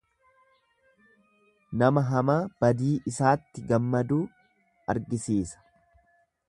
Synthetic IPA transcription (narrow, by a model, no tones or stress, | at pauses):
nɐmɐɦɐmaːb̥ɐd̪iːʔɪsaːt̪ːɪɡɐmːɐd̪uː | ɐ̰ɾɡɪsiːsɐ̥